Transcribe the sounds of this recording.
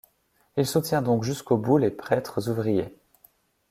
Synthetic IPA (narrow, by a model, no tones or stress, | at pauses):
ilsut̪jɛ̃d̪ɔ̃kʒyskobulepχɛt̪χəzuvʁije